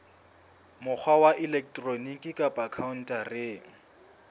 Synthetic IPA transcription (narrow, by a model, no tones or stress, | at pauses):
mʊk͡xʰwawaʔilɛk̚tʼronikʼikʼapʼakʰaun̩tʼarɪːŋ̩